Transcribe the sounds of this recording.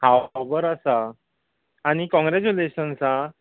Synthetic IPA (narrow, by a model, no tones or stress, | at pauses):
hawbəɾasaː | ɽ̃ikɔ̃ŋɡɾet͡ɕuleɕənsa